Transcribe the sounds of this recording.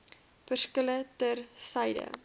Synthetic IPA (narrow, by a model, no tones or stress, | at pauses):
fərskələtərsɐjdə̰